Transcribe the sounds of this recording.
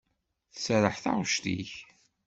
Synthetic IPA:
θə̥sɾəħθa̰ʁʃt̪ḭç

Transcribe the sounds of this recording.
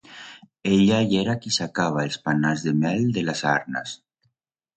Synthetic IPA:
eʎajeɾakisakaβ̞aespanazðemɛld̪elasaɾnas

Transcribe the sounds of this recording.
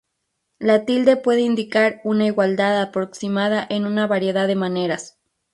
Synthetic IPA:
lat̪ild̪e̞pwe̞ðeind̪ikaɾunaiɣwald̪aðapɾoksimaðaʔenunaβaɾje̞ðaðemaneɾas

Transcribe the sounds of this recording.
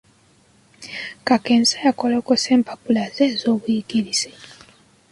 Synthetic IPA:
kakeːnzajakolokose̞ːmpapulazeːzo̞ːβujiɡiɾiz̥e

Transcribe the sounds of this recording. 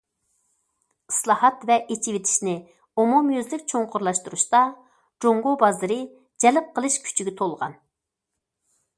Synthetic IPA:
ɨslˠɑhɑt̪vɛʔet͡ʃʰiwɪt̪ʰɪ̥ʃnɪ | omumjøzlɪkʲt͡ʃʰoŋqʰʊɾlˠɑʃt̪uɾuʃt̪ɑ | d͡ʒoŋɡobɑzɨɾɨ | d͡ʒɛlɪp̚qəlˠɨʃkʲʰy̥t͡ʃʰiɡʲɛt̪ʰolˠʁɑ̰n

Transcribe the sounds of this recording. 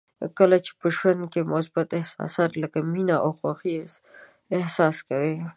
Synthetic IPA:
kəlat͡ʃe̥pəʃwankemʊsbat̪ɪhsɑ̰sɑt̪ləkaminaʔawxwaxis | ɪhsɑskawe

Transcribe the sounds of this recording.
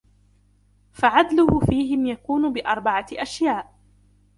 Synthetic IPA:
faʕad̪lʊhʊfiːɦɪmjakuːnʊbɪʔɑɾˤbaʕaʔaʃjaːʔ

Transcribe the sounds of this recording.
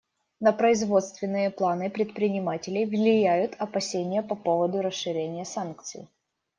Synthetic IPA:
nəpɾəɪzvo̞t̪st̪vʲɪnːɨjəplˠanɨpɾʲɪt̪̚pɾʲɪnʲɪmatʲɪlʲɪjvlʲɪjæjʊt̪ʰɐpɐsʲenʲɪjəpɐpo̞vəd̪ʊɾəsːɨɾʲenʲɪjəsankt̪sɨ̰j

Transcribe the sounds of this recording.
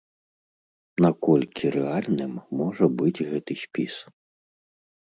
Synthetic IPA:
nɐkɔlʲkʲʰiɾʔɛalʲnɪmːɔʐɛbɪd͡zʲɣɛt̪ɨsʲpʲis

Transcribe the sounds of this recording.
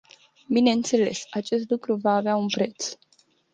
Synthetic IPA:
bine̞ɨnt̪se̞le̞̰sat͡ʃe̞st̪lukɾuvaːveaunpɾe̞t̪s

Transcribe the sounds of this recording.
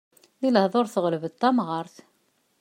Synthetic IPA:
iləhðˤoɾθəʁləbət̪ˤːɑmʁɑɾˤθ

